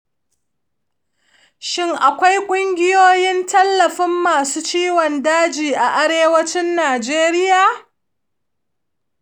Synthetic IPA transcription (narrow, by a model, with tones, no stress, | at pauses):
ʃɪ˦ŋʔa˨kʷa˦jkʷʼʊ˦ŋɡʲɪ˦joː˦jɪ˦ntʰɐ˦lːɐ˨ɸɪ˦mːaː˨suː˦t͡ʃiː˦wɔ˨ndaː˦d͡ʒiː˨ʔa˨ʔa˦ɾeː˦wɐ˦t͡ʃɪ˦nːaː˨d͡ʒeː˦ɾɪ˦jaː˨